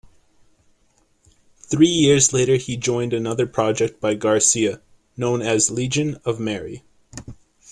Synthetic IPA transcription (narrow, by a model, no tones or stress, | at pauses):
θɹijɪɹzleɪɾə˞id͡ʒɔ̃ɪ̃ndɨnʌðə˞pʰɹ̥ɑd͡ʒɛk̚t̚b̥aɪɡɑɹsiɨ | nõʊ̃nɨzlid͡ʒɨ̃nʌvmɛɹḭ